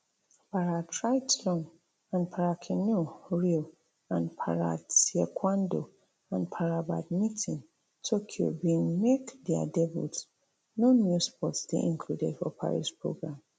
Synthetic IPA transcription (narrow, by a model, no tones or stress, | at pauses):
paɹatʰɹaɪtlɔ̃ŋ | ãnpʰaɹakʰĩnoɹil | ãnpʰaɹa̰siɛkʰwãndo | ãnpʰaɹaba̰dmitʰĩn | tʰokʰio̰bĩnmekdɛa̰dɛbṵt | nonjuspɔtsdḛʔĩŋkʰludedfɔpʰa̰ɹḭspɹo̰ɡɹãm